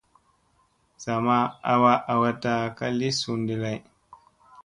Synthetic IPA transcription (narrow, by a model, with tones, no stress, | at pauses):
z̥a˨ma˦a˨wa˦ʔa˨wa˦ta˦ka˦li˦su˨ndi˨la˨j